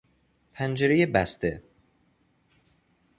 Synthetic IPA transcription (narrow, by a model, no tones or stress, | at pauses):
pʰænd͡ʒeɾejebæst̪ʰe